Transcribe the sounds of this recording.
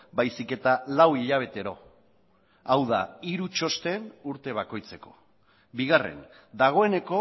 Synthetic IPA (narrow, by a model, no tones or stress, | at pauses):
bajsike̞t̪alawiʎaβ̞e̞t̪e̞ɾo̞ | awða̰iɾut͡ʃo̞st̪e̞nuɾt̪e̞β̞ako̞jt͡se̞ko̞̥ | biɣare̞̰n | d̪aɣ̞o̞e̞ne̞ko̞